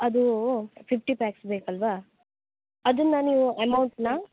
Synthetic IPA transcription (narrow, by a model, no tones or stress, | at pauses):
ɐd̪upʰipʰʈipaːksbeːkɐlʋa | ɐd̪inːɐniːʋuemɐwɳʈsnɐ